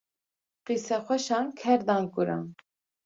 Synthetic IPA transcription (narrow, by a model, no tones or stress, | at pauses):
qisɛχʷɛʃɑnkʰɛɾd̪ɑŋkuɾɑ̰n